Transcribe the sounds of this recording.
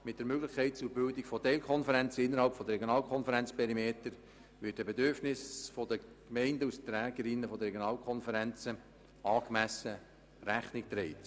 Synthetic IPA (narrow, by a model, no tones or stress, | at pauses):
mɪt̚d̥əɾmøɡlɪχkʰːɛɪt̚t͡sʊɾbʏldɪkfɔtɛlkʰɔnfəɾɛnt͡səɪnːəɾhɑlpfɔd̪əɾɛɡjonɑːlkʰɔnfəɾɛnt͡spʰɛɾimeːtəɾ | ʋɪt̚dəbed̪ʏrfnɪsfɔd̪əkmɛɪndəust̪ɾæːɡəɾɪnːəfɔd̪əɾɛɡjonɑːlkʰχɔnfəɾɛnt͡sə | ɑːkmæsə | ɾæχnɪk̚t̪ɾɛɪt